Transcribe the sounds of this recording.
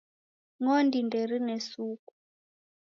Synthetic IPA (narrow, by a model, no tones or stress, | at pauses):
ŋɔndindɛɾinɛsuku̥